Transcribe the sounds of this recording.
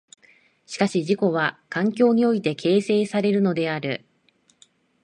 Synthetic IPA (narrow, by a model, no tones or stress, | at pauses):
ɕi̥kaɕiʑiko̞βakãŋkʲo̞ːɲ̟io̞it̪e̞kʰe̞ːse̞ːsaɾe̞ɾɯ̟no̞d̪e̞aɾɯ̟̰